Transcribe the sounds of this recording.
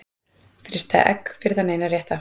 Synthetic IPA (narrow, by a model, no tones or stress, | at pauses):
fɾɪst̪θa̰ʔɛ̰kːfɪɾðaneːjnaɾjɛht̪a